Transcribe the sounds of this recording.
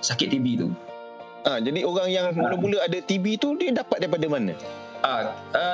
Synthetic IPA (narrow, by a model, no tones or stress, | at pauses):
sakɪt̪ːibit̪ṵ | ʔad͡ʒadioɾaŋjaŋmuləmuləadat̪ibit̪udiədapat̪̚daipadamanə̰̃ | ʔa | ə